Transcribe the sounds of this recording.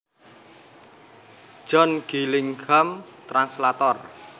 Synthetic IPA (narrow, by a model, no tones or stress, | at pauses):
ʒ̥ɔ̤nɡ̥ilɪŋɡamt̪ɾanslat̪ɔr